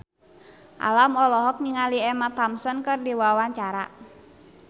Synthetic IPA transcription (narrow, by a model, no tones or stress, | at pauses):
ʔa̰lamɔlɔɦɔk̚niŋaliɛmat̪amsənkərdiwawaɲt͡ʃaɾa̰